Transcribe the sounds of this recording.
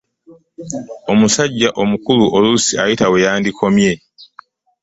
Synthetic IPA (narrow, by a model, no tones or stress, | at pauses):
o̞musaɟːaʔo̞mukuluʔolusiajitawe̞jaːndikʰo̞mje̞